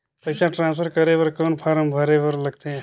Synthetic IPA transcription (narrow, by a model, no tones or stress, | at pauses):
pəɪsãʈɾãːnspʰəɾkəɾebəɾkoːnpʰaɾəmbʱəɾebəɾləɡ̚t̪eɦ